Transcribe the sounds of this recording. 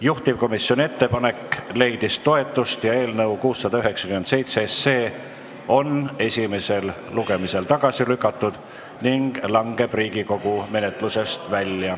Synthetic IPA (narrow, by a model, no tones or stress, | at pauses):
juht̪ivko̞misːjo̞nʲiet̪ːe̞pɑne̞kle̞jd̪̥ist̪o̞e̞t̪ːˑust̪jɑe̞ːlnɤwkuːsːɑd̪̥ɑyɦe̞ksɑ̥kymend̪se̞jt̪seesːe̞ː | o̞ne̞sʲime̞se̞l | luɡe̞mise̞lt̪ɑɡ̥ɑsilykːˑɑt̪ːud̪̥ | niŋɡ̥lɑŋɡ̥e̞b̥riːɡiko̞ɡ̥ume̞ne̞t̪ˑluse̞st̪vælʲjɑ